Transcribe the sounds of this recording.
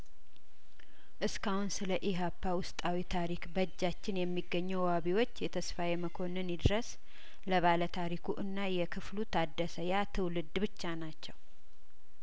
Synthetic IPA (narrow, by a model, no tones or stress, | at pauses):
ʔɨskahunsɨləʔiɦapːawʊst̪ʼawit̪ʰaɾikbəd͡ʒːat͡ʃːɪnjɛmːiɡːəɲːɛwwhaβiwo̞t͡ʃːjɛt̪ʰəsfajeməkʰo̞nɨnid̪ɾəs | ləβalət̪ʰaɾikʰuʔɨnːajɛkʰɨflut̪ʰad̪ːəsəjat̪ʰɨwlɨd̪ːbɨt͡ʃːanat͡ʃːɛw